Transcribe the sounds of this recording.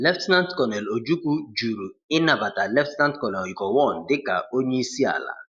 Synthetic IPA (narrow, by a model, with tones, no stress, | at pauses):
lɛ˦ftnã˦ntkɔ˨nɛ˨lo˨d͡ʒu˦ku˦d͡ʒu˨ɾu˨ | ɪ˦na˨ba˨ta˨lɛ˦ftna˦ntkɔ˨nɛ˨lɔ˨jkɔ˨wɔ˦˨ndɪ˦ka̰˨o˦ɲi˦si˦a̰˨la̰˨